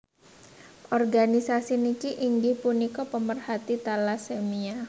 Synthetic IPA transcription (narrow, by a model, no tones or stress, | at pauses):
ʔɔrɡanisasinikiʔiŋɡɪhpunikɔpəmərhat̪it̪alasemia